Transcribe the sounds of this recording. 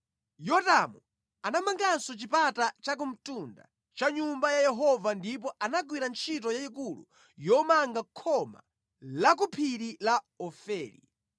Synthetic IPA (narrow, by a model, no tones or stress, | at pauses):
jɔtamu | anamaŋɡansɔt͡ʃipatat͡ʃak̬um̩tunda̰ | t͡ʃaɲumbajajɛɦɔvandip̬ɔʔanakwiɾant͡ʃʰit̬ɔjaikulṵ | jɔmaŋɡakʰɔma̰ | lak̬upʰiɾila | ɔfɛːlḭ